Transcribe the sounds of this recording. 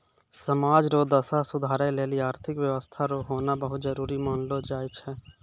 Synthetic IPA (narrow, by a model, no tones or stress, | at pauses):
səmaːd͡ʒɾoːd̪əsasʊd̪ʱaːɾeleːliaːɾt̪ʰɪkwjəʋəst̪ʰaɾoɦoːnabəɦʊt̪̚d͡ʒəɾuːɾimaːnlod͡ʒaːjt͡ʃʰɛ